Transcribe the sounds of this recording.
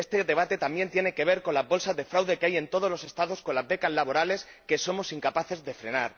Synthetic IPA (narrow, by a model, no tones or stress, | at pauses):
est̪e̞ðe̞β̞at̪e̞t̪ambje̞nt̪je̞ne̞ke̞β̞e̞ɾko̞nlazβo̞lsazðe̞fɾawðe̞keaje̞nt̪o̞ð̞o̞zlo̞se̞st̪aðo̞sko̞nlazβe̞kazlaβo̞ɾale̞s | ke̞so̞mo̞siŋkapaθe̞zðe̞fɾe̞̰naɾ